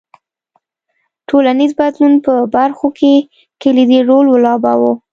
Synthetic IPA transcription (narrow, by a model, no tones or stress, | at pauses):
ʈʰolanizbad̪lunpəbaɾxokʰe | kelid̪iɾolwlɑbɑ̰wo